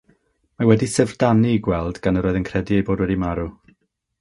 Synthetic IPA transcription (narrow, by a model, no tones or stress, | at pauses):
mawɛdisɛvdaniɡwɛlˠdɡanəɾoːɨðənkʰrɛdiejboːdwɛdimaɾu